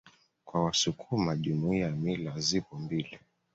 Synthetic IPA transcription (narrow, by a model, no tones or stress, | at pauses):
kwawasukʰumaʄumuiamilazipɔmbili